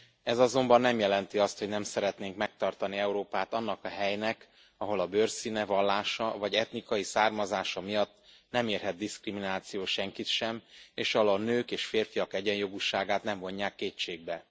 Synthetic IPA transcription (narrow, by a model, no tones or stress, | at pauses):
ɛzɒzo̞mbɒnːɛmjɛlɛnt̪iɒst̪ho̞ɟnɛmsɛɾɛt̪neːŋkmɛk̚t̪ɒrt̪ɒniɛuɾoːpaːt̪ɒnːɒkɒɦɛjnɛk | ɒɦo̞lɒbørsinɛvɒlːaːʃɒvɒɟɛt̪nikɒjisaːrmɒzaːʃɒmijɒt̪ː | nɛmeːrɦɛd̪̚d̪iskriminaːt̪sijoːʃɛŋkit̪ʃɛmeːʃɒolɒnøːkeːʃfeːrfijɒkɛɟɛnjo̞ɡuʃaːɡaːt̪nɛɱvo̞ɲːaːkːeːt͡ʃeːɡ̚bɛ